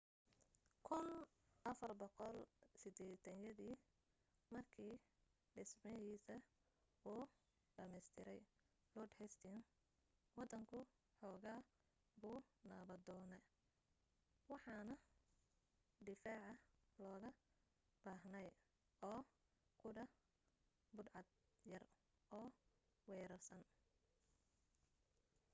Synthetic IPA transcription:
kʰʊn | ʔɐfɐrbɔqɔlsɪd̪ɛːt̪ʰɐnjɐðiː | mɐrkʰiː | ɖɪsmɛjiːsɐ | uː | ɖɐmɛjst̪ʰɪɾɛj | lɔːɖhɛst̪ʰɪn | wɑd̪ɐŋkʰʊ | ħɔːɣaː | buːnaːβɐd̪ɔːnɛ | wɑħɑːnɐ | d̪ɪfaːʕɑlɔːɣɐ | b̥aːɦnɛj | ɔː | kʰʊɖɐ | bʊd̪ʕɑd̪ | jɐr | ɔːwɛːɾɐrsɐn

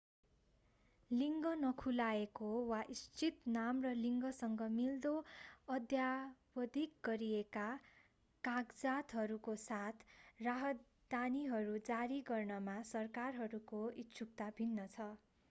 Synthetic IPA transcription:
liŋɡʌnʌkʰulaekowaʔist͡sit̪namrʌliŋɡʌsʌŋɡʌmild̪oʌd̪jabʌd̪ʱik̚ɡʌɾieka | kaɡd͡zat̪ɦʌɾukosat̪ʰraɦʌt̪ | d̪aniɦʌɾud͡zaɾiɡʌrnʌmasʌrkarɦʌɾukoitsʰuk̚t̪abʱinːʌt͡sʰʌ

